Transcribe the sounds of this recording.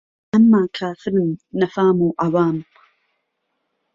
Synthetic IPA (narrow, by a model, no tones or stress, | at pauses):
ʔamːaːkʰaːfɪɾnːɐfaːmuːʔawaːm